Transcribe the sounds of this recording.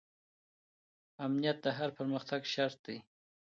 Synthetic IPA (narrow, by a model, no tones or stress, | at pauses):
amnijat̪̚d̪əɦaɾpəɾməxt̪aɡʃaɾt̪̚d̪e